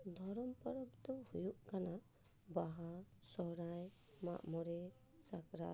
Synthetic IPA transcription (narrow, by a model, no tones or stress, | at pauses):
d̪ʱɔɾɔmpaɾɔbt̪ɔhujuʔkana | baɦasɔɾaj | ma̰ʔmɔɾɛ | sakɾa